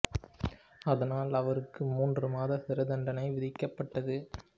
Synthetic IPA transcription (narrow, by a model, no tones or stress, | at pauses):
ɐðɐnaːlɐʋɐɾɯkːɯmuːndrɯmaːðɐsɪɾɐd̪ɐɳɖɐnɐɪʋɪðɪkːɐpːɐʈːɐðɯ